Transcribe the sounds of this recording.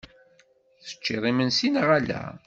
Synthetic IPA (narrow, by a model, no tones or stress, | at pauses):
θə̥t͡ʃːiðˤimənsinʁælæ̰